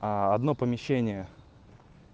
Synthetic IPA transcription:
aɐd̪nopəmʲɪɕːenʲɪjə

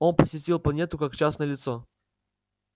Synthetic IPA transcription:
o̞npəsʲɪtʲilˠplˠɐnʲe̞t̪ʊkakt͡ɕasnəəlʲɪt̪so

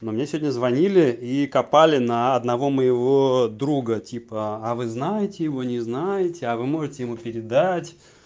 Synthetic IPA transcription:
nomʲɪnʲasʲɪvodʲnʲəzvɐnʲilʲɪikɐpalʲɪnəɐd̪nɐvo̞məjɪvo̞d̪ɾuɡətʲipəavɨznajɪtʲɪjɪvo̞nʲɪznajɪtʲɪavɨmo̞ʐɨtʲɪjɪmupʲɪɾʲɪd̪atʲ

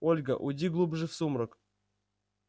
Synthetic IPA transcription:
olʲɡə̰ʔʊdʲiɡlˠubʐɨfsumɾək

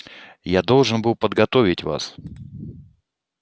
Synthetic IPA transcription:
jad̪o̞lˠʐɨnbɨlˠpəd̪ɡɐt̪o̞vʲɪtʲva̰s

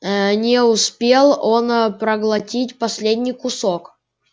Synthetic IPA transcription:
nʲɪʊspʲelˠo̞npɾəɡlˠɐtʲitʲpɐsʲlʲedʲnʲijkʊsok

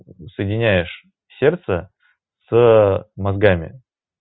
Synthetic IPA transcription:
səjɪdʲɪnʲæjɪʂ | sʲe̞rt̪sə | s | mɐzɡamʲɪ̰

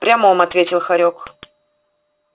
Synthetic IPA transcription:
pɾʲaməomɐt̪vʲetʲɪlˠxɐɾʲo̞k

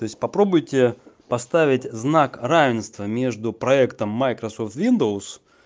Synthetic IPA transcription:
t̪o̞ɪsʲt̚ʲpɐpɾo̞bʊjtʲɪpɐst̪avʲɪtʲznakravʲɪnst̪vəmʲe̞ʐd̪ʊpɾɐɛkt̪əmːajkɾɐsoft̪vʲind̪əʊs

